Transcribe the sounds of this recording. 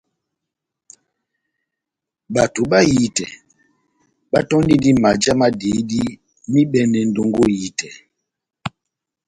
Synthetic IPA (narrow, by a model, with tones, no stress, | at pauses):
ba˨tu˨ɓa˦ji˦tɛ˨ | ɓa˦tɔ˦n˦di˦di˦ma˨d͡ʒa˦ma˦de˨˦di˦ | mi˦bɛ˦nɛ˨n̩˦do˦ŋɡo˦ji˦tɛ˨